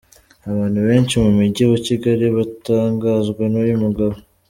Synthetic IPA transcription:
aβaːn̥huβe̞ːnt͡ʃimumiɟeβaciɡaɾiβataːŋɡaːzɡwenujumuɡaβo

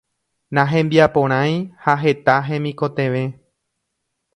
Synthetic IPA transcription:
nãɦẽ̞mbiapõ̞ɾ̃ãj̃haɦe̞t̪aɦẽ̞mĩko̞t̪ẽ̞ʋe̞

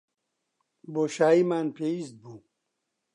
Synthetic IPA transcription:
boːɕaːimaːnpʰeist̪̚buː

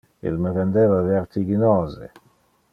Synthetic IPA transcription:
ḭlməɾɛnd̪ɛvavaɾt̪iɡinɔːzḛ

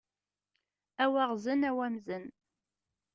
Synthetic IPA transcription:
æwæʁzənæwæmzən

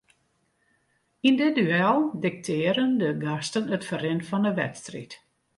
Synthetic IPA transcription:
indɪdyɛlˠdɪk̚tʰɪːəɾəndəɡastənətfərɪnfɔnəʋɛ̰tstrḭt

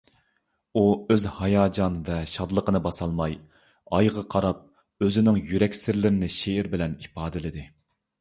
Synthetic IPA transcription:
uøzhɑjɑːd͡ʒɑnvɛʃɑd̪lˠəqənɨbɑsɑlˠmɑj | ɑjʁɑqʰɑɾɑp̚ | øzɪnɪŋjyɾɛkʲsɪɾlɪɾɪnɪʃeiɾbɪlɛnipɑːd̪ɪlɪd̪ɪ

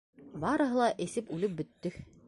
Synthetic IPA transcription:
bɑɾɤ̆ɦɤ̆lˠɑʔɘ̆sɘpʉlɘp̚bɵ̆t̪ːɵ

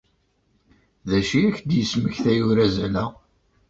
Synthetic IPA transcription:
ðæʃiæçd̪jəsməçθæjuɾæzælæ

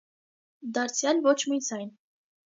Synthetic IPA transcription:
d̪ɑɾt͡sʰjɑlvɔt͡ʃʰmid͡zɑjn

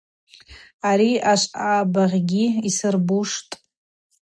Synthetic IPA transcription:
aɾiaʂʷaːbaʁʲɡʲiisɨrbuʂtʼ

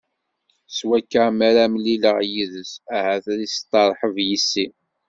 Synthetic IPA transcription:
swækːəmæɾæmliləʁjiðəsæhæθɾist̪ˤːɑɾˤħəvjisːi

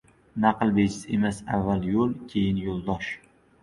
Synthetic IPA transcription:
naqɨlˠbed͡ʒɪsemasavːaljolˠkʲʰe̞jɪnjolˠd̪ɒʃ

